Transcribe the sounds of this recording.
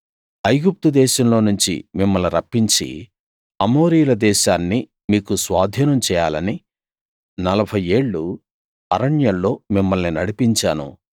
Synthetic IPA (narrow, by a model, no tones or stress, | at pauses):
ɐjɡup̚t̪ud̪ɛːʃɐmlo̞ːnuɲt͡ʃḭmimːɐluɾɐpːiɲt͡ʃḭ | ɐmo̞ːɾijlɐd̪ɛːʃaːnːi | miːkusʋaːd̪ʱiːnɐmt͡ʃɛːjaːlɐni | nɐlɐbʱɐje̞ːɭːu | ɐɾɐɳjɐllo̞ːmimːɐlninɐɽipiɲt͡ʃaːnṵ